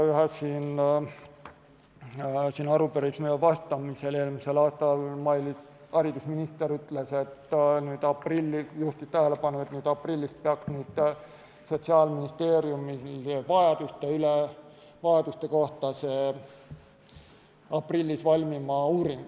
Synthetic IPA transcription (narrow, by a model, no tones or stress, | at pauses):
yɦesiːn | siːnɑɾupeɾiksmyjevɑst̪ɑmiseleːlmise̞lɑːst̪ɑlmɑjli | ɑɾid̪̥usminist̪e̞ɾyt̪le̞se̞t̪ːnyːd̪̥ɑprilʲːijuht̪ist̪æhele̞pɑnːuet̪nyːd̪̥ɑprilʲːist̪̚peɑksnyːd̪̥ | so̞t̪siɑːlminist̪e̞ːɾjumilvɑjɑd̪̥ust̪eyle | vɑjɑd̪̥ust̪e̞ko̞ht̪ɑse | ɑprilʲːisvɑlʲmimɑuːɾiŋɡ